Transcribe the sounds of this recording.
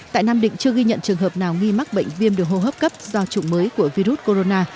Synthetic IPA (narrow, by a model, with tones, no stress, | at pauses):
t̪a̰ː˧˨jnaː˧mɗḭ˧˨ŋ̟t͡ɕɨ˧əɣi˧ɲə̰˧˨nt͡ɕɨ˨˩əŋɦəː˨˩p̚naː˨˩wŋi˧ma˦˥k̚ɓə̰˧˨jŋ̟vi˧əmɗɨ˨˩əkho˧˩ɦəː˦˥p̚kə˦˥p̚zɔ˧t͡ɕʊ˨˩ŋ͡mməː˨˦jku˧˩əvi˧ɾu˦˥t̚ko˧ɾo˧naː˧